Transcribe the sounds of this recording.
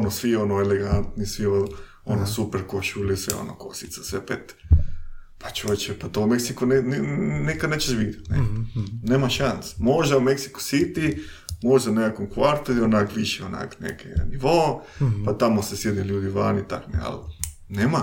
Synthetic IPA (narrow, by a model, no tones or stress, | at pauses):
onosʋionoeleɡant̪nisʋio | onosupeɾkoʃulisʋḛo̰no̰kosit̪sasʋepet̪ | pat͡ʃuet͡ʃepat̪oumeksikunennikad̪net͡ʃeʃbid̪jat̪nḛneːmaʃansmoʒd̪aumeksi̥ku̥sit̪i | moʒd̪anekakomkʋaɾt̪oionakʋiʃeona̰knḛkʰḛniʋopat̪amosesjed̪eʎuːd̪iʋa̰ːnit̪a̰knḛa̰l | neːma